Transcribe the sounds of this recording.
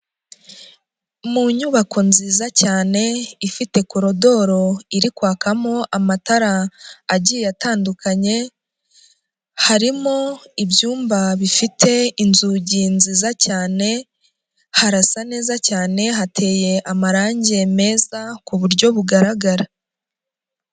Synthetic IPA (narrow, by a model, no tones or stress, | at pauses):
muɲuβakʰo̞nziːzacaːne̞ifite̞koɾo̞do̞ɾo̞iɾikwaːkamo̞ʔamataɾaːɟijataːndukʰaɲe̞ | haɾimo̞ibjuːmbaβifitʰe̞inzuɟinziːzacaːne̞ | haɾasane̞ːzacaːne̞ɦatʰe̞ːje̞ʔamaɾaːɲɟe̞me̞ːzakuβuɾɟo̞βuɡaɾaɡaɾa